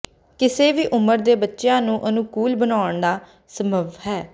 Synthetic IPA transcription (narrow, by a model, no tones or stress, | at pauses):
kɪseːʋiːʔʊməɾd̪eːbətːʃejãːnũːʔənũːkuːlbənaːəɳd̪aː | səməʋɦɛː